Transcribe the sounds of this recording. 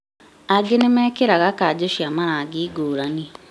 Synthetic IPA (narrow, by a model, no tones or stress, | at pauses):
aɡenemɛːkeɾaɣakad͡ʒoʃiamaɾaɡiɡoːɾani